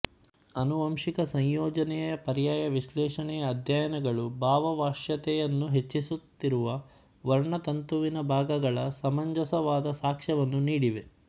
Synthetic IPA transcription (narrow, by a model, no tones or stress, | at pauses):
ɐnuʋɐmʂikɐsɐɲjoːd͡ʒɐnɛjɐpɐɾjaːjɐʋiʃlɛːʂɐɳɛjɐːd̪ʱjaːjɐnɐɡɐɭubʱaːʋɐʋaːʃjɐt̪ɛjɐnːuɦe̞t͡ʃːisut̪ːiɾuʋɐ | ʋɐɾɳɐt̪ɐnt̪uʋinɐbʱaːɡɐɡɐɭɐsɐmɐɲd͡ʒɐsɐʋaːd̪ɐsaːkʂɐʋɐnːuniːɽiʋe